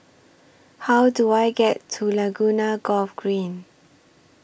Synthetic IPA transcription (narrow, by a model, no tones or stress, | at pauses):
hawduajɡɛtʰːulaɡunaɡɔfɡɹĩn